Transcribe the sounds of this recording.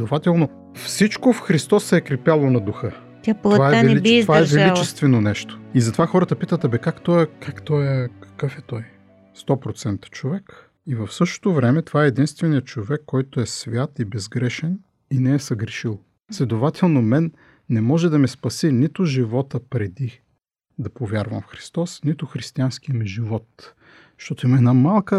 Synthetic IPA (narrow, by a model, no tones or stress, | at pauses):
ɛd̪ovat̪ɛlˠno | fsit͡ʃkofxɾist̪ɔsːɛːkɾɛpjalˠonɐd̪uxɤ | t̪avaɛvɛliovaaɛvɛlit͡ʃɛst̪vɛnonɛʃt̪o̥izɐt̪ovaxɔɾət̪əpit̪ət̪ɛbɛkakt̪ɔjɛkakt̪ɔjkɐ̥kɤfɛt̪ɔj | st̪ɔpɾot̪sɛnt̪ə̥t͡ʃovɛk | ivɐfsɤʃt̪o̥t̪ovɾɛmɛt̪ovaɛɛd̪inst̪vɛnijət͡ʃovɛkːɔjt̪oɛsvʲjat̪ibɛzɡɾɛʃɛn | inɛɛsɐɡɾɛʃilˠ | slʲɛd̪ovat̪ʰɛlˠnomɛnː | ɛmɔʒɛd̪ɐmɛspɐsinit̪ʊʒivɔt̪əpɾɛd̪i | d̪ɐpovʲjaɾvɐmfxɾi̥st̪ɔsnit̪ʊxɾist̪iansk̟ijəmɛʒivɔt̪ | ʃt̪ɔt̪oimɐɛnamalˠkə